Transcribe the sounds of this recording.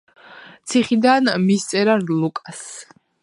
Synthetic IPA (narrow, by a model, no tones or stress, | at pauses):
t̪sʰiχid̪anmist̪sʼɛɾaɾlukʼas